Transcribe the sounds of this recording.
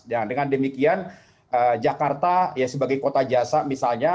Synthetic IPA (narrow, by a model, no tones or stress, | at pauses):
d͡ʒadəŋandəmikian | əd͡ʒakart̪ajasəbaɡajkot̪ad͡ʒasamisalɲa